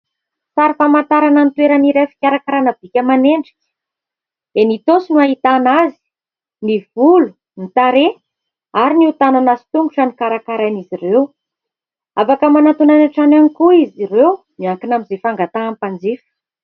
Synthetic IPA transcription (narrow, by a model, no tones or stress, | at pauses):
saɾifamant̪aɾanənit̪weɾəniɾafi̥kʲaɾakaɾanəbikʲəmaneɳɖ͡ʐi̥kʲə̥ | d̪̥enit̪osinuaɦit̪anazi̥ | nivulu̥ | nit̪aɾe | aɾiniut̪ananasi̥t̪uŋɡuʈ͡ʂanikaɾakaɾajnizirew | avakəmanat̪unanaʈ͡ʂananikuiziɾew | miaŋkinamizefaŋɡat̪aːmpand͡zifə̥